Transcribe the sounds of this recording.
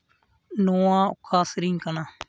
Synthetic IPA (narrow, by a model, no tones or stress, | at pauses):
noːãːʊ̰kʰːaːsɪɾĩŋkənaː